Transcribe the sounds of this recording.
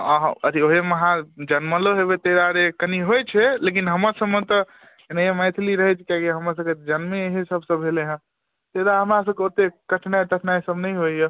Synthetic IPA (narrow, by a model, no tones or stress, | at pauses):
aɦəd̪ʱioɦeməɦãd͡ʒənməloɦebet̪eɾaɾekəniɦojt͡ʃʰɛlek̬inɦəməɾsəmmə̃t̪ɔ | enəjemajt̪ʰiliɾəɦɛt͡ʃʰkiakeɦəməɾs̬əbked͡ʒənmẽɦesəbsəbʱeleɦə̃ | t̪eɾaɦəmɾasəbkeot̪ekəʈʰnaet̪əʈʰnaesəbnəjɦoije